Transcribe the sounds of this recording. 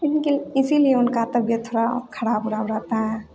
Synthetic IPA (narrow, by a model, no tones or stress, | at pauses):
ɪnkelɪsilijeʊnkat̪əbjət̪ʰoɽakʰəɽabʊɾabɾəɦt̪aɦɛ